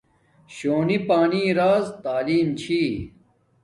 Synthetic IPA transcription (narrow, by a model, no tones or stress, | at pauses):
ɕoːnipaːniːɾaːzt̪aːliːmt͡ɕʰiː